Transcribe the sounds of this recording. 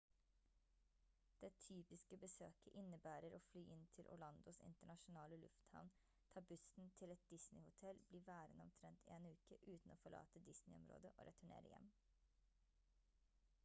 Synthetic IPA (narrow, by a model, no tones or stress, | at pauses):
d̪̥ɛt̪ʰyːpɪskəbəsøːkəʔɪnəbæːɾəɾʔoːflyːʔɪnt̪ʰɪlʔʊ̰ɭɑnd̪ʊsɪ̰nt̪əɳɑʃʊnɑːləlʉ̰ft̪hɑ̰ʋn | t̪ʰɑːbʉst̪n̩t̪ʰɪlɛt̪̚d̪̥ɪsnɪhʊt̪ʰɛlbliːʋæːɾənəɔmt̪ʰɾɛnt̪ʰeːnʉːkəʔʉːt̪n̩oːfɔɭɑ̰ːt̪əd̪ɪsnɪɔmɾo̰ːd̪əʔo̰ːɾʔɛt̪ʰʉɳḛːɾə̰jɛ̰m